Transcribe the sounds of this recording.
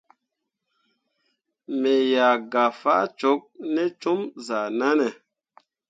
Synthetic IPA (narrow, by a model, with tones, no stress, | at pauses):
me˨ja˨ɡa˨fa̰˦t͡ʃo˨˦k̚nɛ˦t͡ʃu˦mza˨na˦nɛ˨